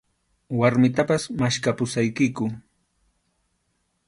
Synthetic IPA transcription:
waɾmɪt̪apasmaʃkapʊsajkɪkʊ

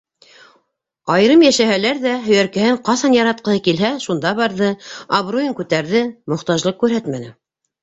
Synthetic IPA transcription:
ɑjɾɤmjæʃæɦælæɾðæɦɵ̆jæɾkɘ̆hɘɴqɑsɑnjɑɾɑt̪̚qɤ̆hɤkilɦæʃund̪ɑβɑɾðɤaβrojiŋkʉt̪æɾðɘmŏχt̪ɑʒlˠɤq̚kʉɾɦæt̪mænɘ

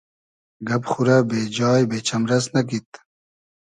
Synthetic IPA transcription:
ɡɐpxuɾabeːd͡ʑaːjbeːt͡ɕʰɐmɾɐsnɐk̬it̪̚

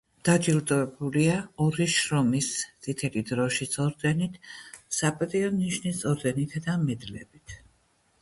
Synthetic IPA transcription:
d̪̥ad͡ʒilˠd̪ɔɛbuliaɔɾiʃɾɔmist̪sʼit̪ʰɛlid̪ɾɔʃit̪sʼɔɾd̪ɛnit̪ʰsapʼat̪ʼiɔniʃnit̪sʼɔɾd̪ɛnit̪ʰd̪amɛd̪lɛ̰bit̪ʰ

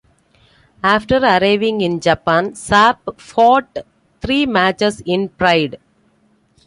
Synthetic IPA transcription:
aːfʈəɾɐɾaɪʋɪ̃ŋɡɪ̃nd͡ʒɐpãːnsaːpfɔːʈ | t̪ʰɾiːmæːt͡ʃəsɪ̃npɾaɪɖ

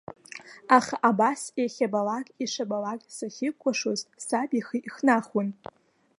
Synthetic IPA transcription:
aχaʔabaseχʲabalakʲʼiʂabalakʲʼsaχʲɪkʷʰːaʂozsabiχiʔiχnaχwʊn

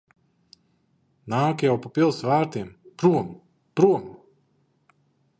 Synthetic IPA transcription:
naːkjawpapʲilˠsvaːɾt̪iɛmpɾuɔm | pɾuɔm

